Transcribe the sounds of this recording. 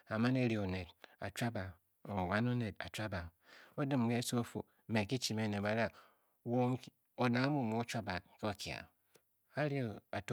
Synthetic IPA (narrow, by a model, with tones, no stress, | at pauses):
a˨ma˦ne˦ɾi˨o˨ne˨da̰˨t͡ʃʷa˦ba˨ | o˨wa˦no˦ne˨ta̰˨t͡ʃʷa˦ba˨ | o˦dɨ˦˨m˨ɡe˦so˦o˦fo̰˨ | me˨ki˦t͡ʃi˨me˦˨ne˨ba˨ɾa˦ | wo˨ŋ | o˨na˨˦mu˦˨mo˨˦t͡ʃʷa˦ba˨k̚ke˦o˨kja̰˨ | a˦ɾi˦o˨a˨t